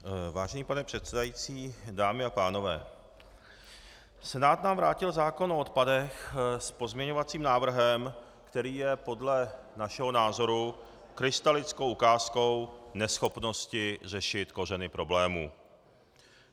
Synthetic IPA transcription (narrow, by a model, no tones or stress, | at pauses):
vaːʒɛniːpanɛpr̥ɛt̪sɛdajiːt͡siːdaːmɪapaːno̞vɛ̰ː | sɛnaːt̪naːmvɾaːcɪlzaːko̞noot̪̚padɛxspo̞zmɲɛɲo̞vat͡siːmnaːvr̩ɦɛm | kt̪ɛɾiːjɛpo̞dlɛ | naʃɛɦo̞naːzo̞ɾu | kɾɪst̪alɪt͡skowʔukaːsko̞wnɛsxo̞pno̞scɪr̝ɛʃɪt̪ko̞rɛnɪpɾo̞blɛːmṵː